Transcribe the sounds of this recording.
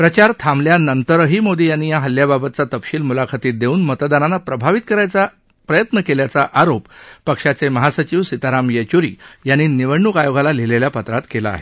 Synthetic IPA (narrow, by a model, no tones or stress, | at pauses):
pɾət͡ɕaɾt̪ʰamljanənt̪əɾəɦiːmod̪ʱijanːiːjaɦəljababət̪̚t͡sat̪əpɕiːlmulakʰat̪iːt̪̚d̪euːnmət̪d̪ananapɾəbʱaʋit̪̚kəɾajt͡sa | pɾəjət̪nəkeljat͡saʔaɾopːəkʂat͡seməɦasət͡ɕiːʋsit̪aɾamjet͡ɕuɾḭːjanːiːniʋəɽɳukajoɡalaleleljapət̪ɾat̪kela̰ːɦe